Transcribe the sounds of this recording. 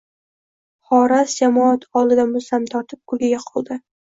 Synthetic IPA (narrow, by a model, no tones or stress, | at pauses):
χɒɾasd͡ʒamɒat̪ʰɒlˠɪd̪amosamt̪ʰɒɾt̪ʰɪp̚kʰʊlɡʲɪɡʲaqʰɒlˠd̪ɪ